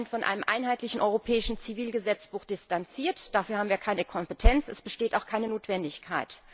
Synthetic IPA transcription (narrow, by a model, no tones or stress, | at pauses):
nfɔnʔa̰ɪnəmʔa̰ɪnɦaɪtlɪçn̩ʔɔʏʁopʰɛːɪʃn̩t͡siviːlɡəzɛt͡sb̥uːxd̥ɪstant͡siːɐtd̥afyːɐhaːm̩viɐkʰaɪnəkʰɔmpətʰɛnt͡sɛ̰sb̥əʃteːtaʊxkʰaɪnənoːtv̥ɛndɪçkʰaɪt